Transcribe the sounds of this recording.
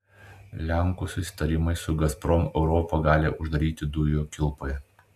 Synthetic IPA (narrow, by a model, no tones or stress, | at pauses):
lʲæˑŋˑkuːsʊsʲɪ̥t̪ɐɾʲɪmɐɪsʊɡɐspɾɔmɛʊɾɔːpɐɡɑːlʲeʔʊʒd̪ɐɾʲiːt̪ʲɪd̪ʊjoːkʲɪlˠpoːjɛ